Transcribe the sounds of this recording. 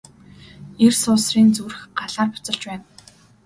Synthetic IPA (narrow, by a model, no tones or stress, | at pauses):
ersʊːsriːnt͡surɘ̆xɢaɮaːrpʊ̥t͡sə̆ɮt͡ɕpæːn